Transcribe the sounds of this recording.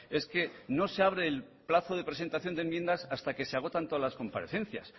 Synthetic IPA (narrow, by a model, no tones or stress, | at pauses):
e̞ske̞no̞seaβ̞ɾeːl | plaθoðe̞pɾe̞se̞nt̪aθjond̪emje̞nd̪asast̪ake̞seaɣot̪ant̪oalasko̞mpa̰ɾeθẽ̞n̟θja̰s